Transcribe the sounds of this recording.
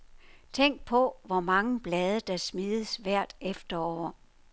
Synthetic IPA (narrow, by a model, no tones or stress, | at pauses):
t͡sʰeŋ̰ɡ̥̚pʰɒ̽ʋɒmɑ̈ŋəb̥lɛːð̞ˠɐd̥ɑ̈smiːðˠəsʋæɐ̰d̥efd̥ɐɒ̰ʊɐ